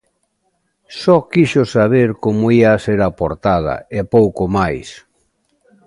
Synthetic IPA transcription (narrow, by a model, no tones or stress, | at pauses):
sɔkiʃʊsaβ̞eɾkomoiaːseɾapoɾt̪aðɐ̰epowkomajs